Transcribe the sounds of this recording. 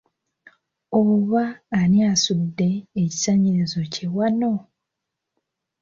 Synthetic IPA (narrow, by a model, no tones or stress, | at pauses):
oβaːniasudːe̞ːci̥saɲiɾizo̞cewano̞